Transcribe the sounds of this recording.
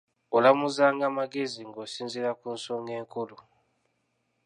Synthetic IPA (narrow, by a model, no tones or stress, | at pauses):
olamuzaːŋɡamaɡeziŋɡosiːnziɾakuːnsoːŋɡeːŋkulu